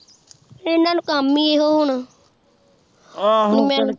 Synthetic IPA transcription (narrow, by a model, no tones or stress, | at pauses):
ɪnːãːnũːkəmːiːeːɦoːɦʊɳ | mɛ̃ː